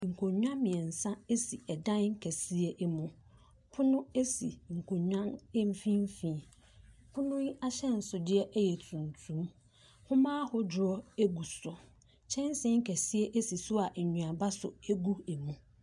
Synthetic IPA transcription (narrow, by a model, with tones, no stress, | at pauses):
ŋ̩˨kʰo˨ɲᶣ˦ã˦mɪ̃˨ɛ˨n̩˨sã˦e˦si˨ɛ˨dã˦n˦ŋ̩˦kʰæ˨si˦ɛ˦ʔɛ˦mũ˨ | pʰʊ˦nʊ̃˦e˦si˨ŋ̩˨kʰo˨ɲᶣã˦n˦m̩˦fĩ˦m˦fĩ˨˦˨ | pʰʊ˦nʊ̃˦ji˦ʔa˦ɕɛ˦n̩˨sʊ˨dɪ˦ɛ˦ʔɛ˦jɛ˨tʰũ˨n˨tʰũ˨˦m | hʊ̃˦mãː˦hʊ˦d͡ʑʊ˨ɔ˦e˦ɡu˨sʊ˨ | t͡ɕʰɛ̃˦n˦sɪ̃˦ŋ̩˦kʰæ˨si˦ɛ˦ʔe˦si˨sʊ˦a˨ʔɲũ˨a˨ba˦sʊ̰˨e˦ɡu˦e˨mũ˨